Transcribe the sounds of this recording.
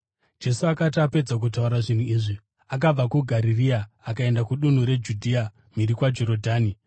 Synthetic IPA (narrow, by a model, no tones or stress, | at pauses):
d͡ʒe̞suakatape̞d͡zak̬utauɾaʐin̤uiːʐi | ak̬ab͡vakuɡʱaɾiriaː | kae̞ndakuɗun̤uɾe̞d͡ʒudʱia | miɾikwad͡ʒoɾo̞dʱaːni